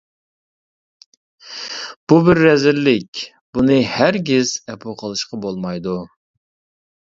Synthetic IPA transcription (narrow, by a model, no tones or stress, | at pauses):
b̥ubɪɾːɛzɪlːɪkʲ | b̥unɨhæɾɡʲɪz̥ɛpʰuqʰəlˠɨʃqɑbolˠmɑjd̪u